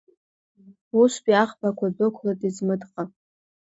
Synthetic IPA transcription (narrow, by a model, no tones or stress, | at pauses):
uʃʷpʼiaχbakʷʰadokʷʰlatʼizmɨdqʼa